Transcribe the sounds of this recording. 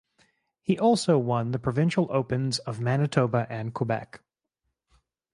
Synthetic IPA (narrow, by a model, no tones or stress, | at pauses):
hiʔɔlˠsoʊwʌ̃nðɨpʰɹ̥ɨvɪ̃nʃl̩ˠoʊpɨ̃nzʌvmænɨtʰoʊbəʔɨ̃nkʰəbɛ̰k